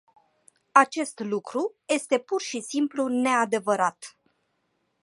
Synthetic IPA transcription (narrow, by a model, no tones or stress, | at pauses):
at͡ʃe̞st̪lukɾuje̞st̪e̞purʃisimplune̞ad̪e̞vəɾat̪